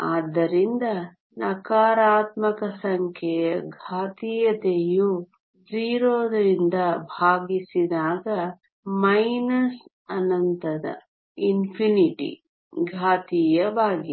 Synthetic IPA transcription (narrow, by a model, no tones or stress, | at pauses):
aːd̪ːɐɾind̪ɐ | nɐkaːɾaːt̪mɐkɐsɐŋkʰjɛjɐɡʱaːt̪iːjɐt̪eju | d͡ʒiːɾoːd̪ɐɾind̪ɐbʱaːɡisid̪aːɡɐ | mɐjnɐs | ɐnɐnt̪ɐd̪ɐ̰ | inpʰiniʈḭ | ɡʱaːt̪ijɐʋaːɡi